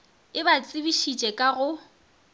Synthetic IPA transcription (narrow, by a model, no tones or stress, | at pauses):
ɪbat͡sʼibiʃit͡ʃʼɛkʼaɣʊ